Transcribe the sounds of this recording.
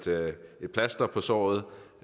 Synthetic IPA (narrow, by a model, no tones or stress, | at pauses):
d̥e̝d̥̚pʰlæsd̥ɐpʰɒ̽sɒ̰ːð̞̩ˠ